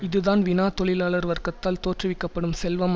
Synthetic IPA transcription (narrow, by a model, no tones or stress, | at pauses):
ɪðɯðaːnʋɪnaːt̪ɔɭɪlaːɭɐɾʋɐɾkɐt̪ːaːlt̪oːʈrɪʋɪkːɐpːɐɽɯmsɛlʋɐm